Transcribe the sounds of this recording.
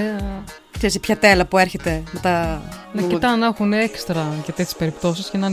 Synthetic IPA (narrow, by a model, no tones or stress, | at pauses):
eɐ | t̪eɐsipçɐt̪e̞lɐpueɾçet̪e̞met̪ɐnɐkit̪ɐnɐxunekst̪ɾɐʝɐt̪et̪ʰʲi̥spe̞ɾipt̪o̞siscenɐn